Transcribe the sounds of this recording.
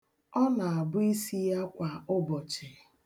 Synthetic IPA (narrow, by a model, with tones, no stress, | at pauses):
ɔ˦na˨a˨bʊ˦i˦si˦ja˦kʷa˨ʊ˦bɔ˨t͡ʃe˨